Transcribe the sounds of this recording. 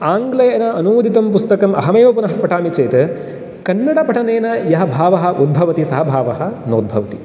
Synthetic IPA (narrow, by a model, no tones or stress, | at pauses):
aːŋɡlɐjɐɐnɐɐnuuːd̪ʱit̪ɐmpust̪ɐkɐmʔɐ̰ɦɐmeːʋɐpunɐɦɐpɐʈʰaːmit͡ʃeːt̪ | kɐnːɐɽɐpɐʈʰɐneːnɐjɐɦɐbʱaːʋɐɦɐ̆ʔud̪̚bʱɐʋɐt̪isɐɦɐbʱaːʋɐɦɐ̆no̰ːd̪̚bʱɐʋɐt̪i